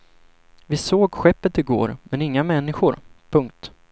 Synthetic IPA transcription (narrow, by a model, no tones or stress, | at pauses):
vɪsoːɡɧɛpːət̪ɪɡo̰ːɾmɛnɪŋːamɛnːɪɧʊɾpʰɵŋk̚t̪